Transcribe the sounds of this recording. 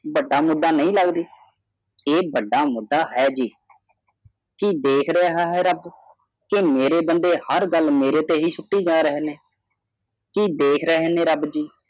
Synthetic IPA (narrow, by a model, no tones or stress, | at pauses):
bəɖːaːmʊd̪ːaːnəĩːləɡd̪iː | eːbəɖːaːmʊd̪ːaːɦɛːd͡ʒiː | kiːd̪eːkʰɾəaːɦaːɦɛːɾəb | kɪmeːɾeːbənd̪eːhəɾɡəlmeːɾeːt̪eːɦiːsʊʈːiːd͡ʒãːɾəɦeːneː | kiːd̪eːkʰɾəɦeːnẽːɾəbd͡ʒiː